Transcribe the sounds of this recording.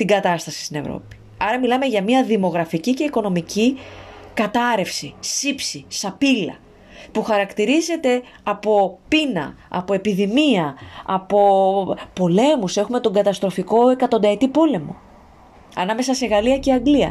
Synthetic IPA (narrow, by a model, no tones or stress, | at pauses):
t̪iŋɡɐt̪ɐst̪ɐsi̥st̪ine̞vɾo̞̰pi̥ | ɐɾɐmilɐme̞ʝɐmiɐðimo̞ɣɾɐficice̞iko̞no̞micikɐt̪ɐɾe̞fsisipsisɐpilɐ̰ | puxɐɾɐkt̪iɾize̞t̪e̞ | ɐpo̞pinɐ̰ɐ̰po̞e̞piðimiɐɐ̰po̞po̞le̞muse̞xume̞t̪o̞ŋɡɐt̪ɐst̪ɾo̞fiko̞e̞kɐt̪o̞nd̪ɐet̪ipo̞le̞mo̞̰ | ɐ̰nɐme̞sɐse̞ɣɐliɐceɐŋɡliɐ̰